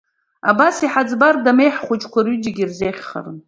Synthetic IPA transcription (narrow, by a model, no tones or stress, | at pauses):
abasiħad͡zbardamejħχʷʊd͡ʒkʷʰaryd͡ʒaɡʲirzeχʲχa̰rɨn